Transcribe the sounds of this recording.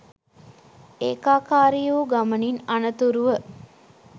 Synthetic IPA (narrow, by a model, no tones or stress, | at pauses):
eːkaːkaːɾijuːɡaməninanət̪uɾuʋə